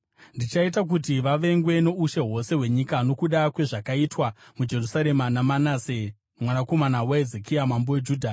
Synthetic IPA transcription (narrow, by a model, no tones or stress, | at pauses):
ndit͡ʃaitak̬utiʋaʋe̞ŋɡwe̞no̞uʃe̞ɦo̞se̞ɦwe̞ɲikano̞kuɗakwe̞ʐakaitwamud͡ʒe̞rusaɾe̞manamanase | mwanako̞manaweezekiamambowed͡ʒuːdʱa